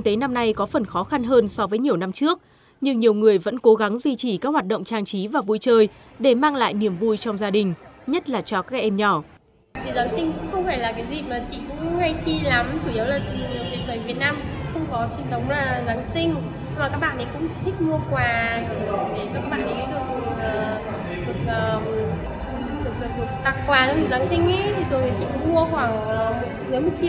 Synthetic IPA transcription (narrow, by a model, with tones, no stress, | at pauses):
ŋt̪e˨˦na˧mna˧jkɔ˨˦fə˨˩nxɔ˨˦xa˧nɦəː˧nsɔ˨˦vəː˨˦jɲi˨˩əwna˧mt͡ɕɨ˦˥ək̚ | ɲɨ˧ŋɲi˨˩əwŋɨ˨˩əjvə̰˧˥nko˨˦ɣa˨˦ŋzwi˧t͡ɕi˧˩kaː˦˥k̚waː˨˩t̚ɗə̰˧˨wŋ͡mt͡ɕaː˧ŋt͡ɕi˨˦vaː˨˩vu˧jt͡ɕəː˧j | ɗe˧˩maː˧ŋla̰ː˧˨jni˧˩əmvu˧jt͡ɕɔ˧wŋ͡mzaː˧ɗï˨˩ŋ̟ɲə˦˥t̚laː˨˩t͡ɕɔ˧kaː˦˥k̚ʔɛ˧mɲɔ˧˩ | t̪ʰi˨˩zaː˨˦ŋsï˧ŋkʊ̰˧˥ŋ͡mxə˧wŋ͡mfaː˧˩jlaː˨˩kaː˨˦jzi˨˩maː˨˩t͡ɕḭ˧˨kʊ̰˧˥ŋ͡mha˧jt͡ɕi˧la˨˦mt͡ɕu˧˩i˨˦ə˦wlaː˨˩t̪i˨˩˨lɨ˨˩k̚nḛ˨˧˨nt̪ʰəː˨˩vi˨˩ət̚naː˧m | xə˧wŋ͡mkɔ˨˦t͡ɕḭ˧˨nt̪ʰə˨˦wŋ͡mlaː˨˩zaː˨˦ŋsï˧ŋ̟˧ | ma˨˩aː˦˥k̚ɓa̰ː˧˨ʔə˨˩jkʊ̰˧˥ŋ͡mt̪ʰï˦˥k̟̚mu˧əkwaː˨˩ɗə˨˧˩o˨˩ve˨˩kaː˦˥k̚ɓa̰ː˧˨nːʔə˨˩ka˨˦ɗɨ˨˩ək̚ɗɨ˨˩ək̚əː˨˩ | ɗɨ˨˩ək̚ʔəː˨˩˨ | ɗɨ˨˩ək̚ːt̪ʰɨ˨˩ə˩k̚t̪a˨˩k̚kːwaː˨˩a˧˦ɨ˧˨˩zaː˨˦ŋsï˧ŋ̟ʔə˧˦t̪ʰi˨˩zo˨˩jt̪ʰi˨˩t͡ɕḭ˧˨kʊ̰˧˥ŋ͡mmu˧əxwaː˧˩ŋː˨m˨˥zɨ˨˦jmo˨˩t̚t͡ɕi˧